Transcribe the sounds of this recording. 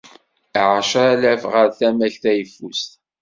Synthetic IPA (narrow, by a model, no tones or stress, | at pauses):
ʕaʃalævʁəɾθæmæɬθæjəfːust̪